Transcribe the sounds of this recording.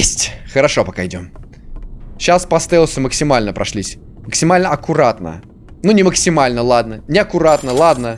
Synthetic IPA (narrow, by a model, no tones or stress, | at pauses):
sʲtʲxəɾɐʂopɐkaɪdʲo̞m | ɕaspɐst̪ɛlˠsʲʊməksʲɪmalʲnəpɾɐʂlʲisʲ | məksʲɪmalʲnəɐkʊɾat̪nə̰ | nunʲɪməksʲɪmalʲnəlˠad̪nənʲɪɐkʊɾat̪nəlˠad̪nə